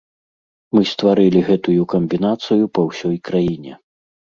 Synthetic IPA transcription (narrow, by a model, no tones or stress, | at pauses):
mɨst̪vaɾɨlʲiɣɛt̪ujukɐmʲbʲinat̪sɨjupɐwsʲɔjkɾajinʲɛ